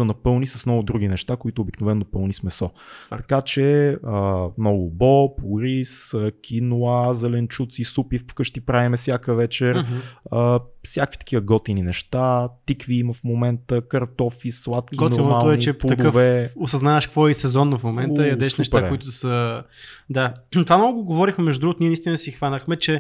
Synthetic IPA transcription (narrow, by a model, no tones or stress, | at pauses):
ɐnɐpɤlˠnisɐsnɔɡʊd̪ɾuɡ̟inɛʃt̪akoit̪oːbiknovɛnːopɤlˠnismɛsɔt̪ɐkat͡ʃɛəmnɔɡʊbɔpuɾisəkʲʰinuazɛlɛnt͡ʃut̪sisupiffkəʃt̪ipɾaimɛsjakəvɛt͡ʃɛɾəfsjakəvi̥t̪ə̥k̟ivəɡɔt̪ininɛʃt̪at̪ikviiməfmomɛnt̪əkɐɾt̪ɔfislˠat̪kiɡnoɾmalɛnit͡ʃɛp̪ːɐd̪əvɛosɐznavɛʃkkvɔɛisɛzɔnːəfmomɛnəjɐd̪ɛʃnɛʃtpaɾɛʊit̪ʊsə | d̪at̪vamnɔɡʊɡʊɡovɔɾixmɛmɛʒd̪ud̪ɾuɡt̪niɛnəist̪inəsixvanəxmɛt͡ʃɛ